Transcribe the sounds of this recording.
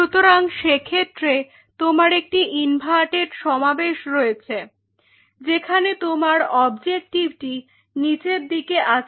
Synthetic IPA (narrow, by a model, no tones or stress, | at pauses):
ut̪oɾaŋʃekʰet̪ːɾe | t̪omaɾek̚ʈiʔinbʱaʈeɾʃɔmabeʃɾojet͡ɕʰe | d͡ʑekʰanet̪omaɾɔbd͡ʑek̚ʈib̚ʈi | nid͡ʑeɾd̪ikeʔa